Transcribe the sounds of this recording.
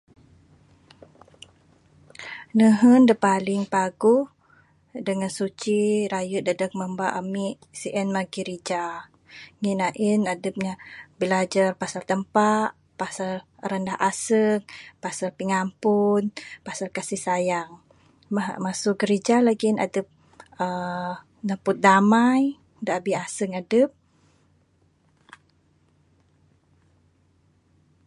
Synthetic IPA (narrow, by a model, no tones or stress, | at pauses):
nəɦəndəpalɪŋpaɡuh | dəŋansut͡ʃiɾajuʔ̚dədək̚məmbaʔamiʔ | siʔɛnmaɡiɾid͡ʒa | ŋinaʔinadəp̚ɲabilad͡ʒarpasalt̪əmpaʔ | pasal | rəndahʔasəŋpasarpiŋampʊnpasarkasihsajaŋ | maɦmasʊkɡəɾid͡ʒalaɡina̰dəp̚ | ə | nəpʊt̪̚damaj | daabiasəŋadəp̚